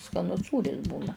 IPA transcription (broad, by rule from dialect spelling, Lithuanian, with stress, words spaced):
skɐˈnʊs ˈsuːrʲɪs ˈbuːnɐ